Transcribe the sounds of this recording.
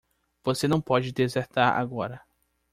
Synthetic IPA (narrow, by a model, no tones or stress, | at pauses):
v̥osenɐ̃w̃pɔd͡ʒɪd̪ezeɾt̪aɾa̰ɡɔɾɐ